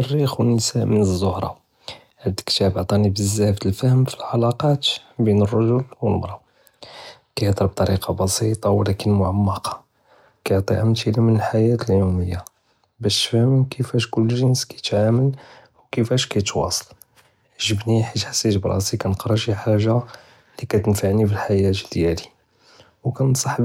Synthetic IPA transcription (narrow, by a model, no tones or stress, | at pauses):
ərːixwənːəsæmənəzːohɾˤɑ̰ | ʕəd̪ə̥kt̪æbʕt̪ˤɑnibəzːæft̪əlfæhəmfilʕalɑqɑt̪binərˤːɑʒʊlwəlmɾˤɑb | kæjət̪əɾb̚t̪ˤɑɾiqʰɑbɑsit̪ˤɑwlækənmʊʕamːɑqɑ̥ | kæjoʕt̪ˤiʕamt̪ilimənəlħajæt̪əljuməjːa | bæʃt̪fhəmkʰəfæʃkʊlːʒənskæjət̪ʕaməl | wkəfæʃkæjət̪wɑ̰sˤə̥l | ʒəbniħit̪ħḁsːit̪bɾˤɑ̰sikænəqɾˤəʃiħaʒːa | likæt̪ənfaʕnifilħajæt̪d̪jæli | wkænsˤɑħb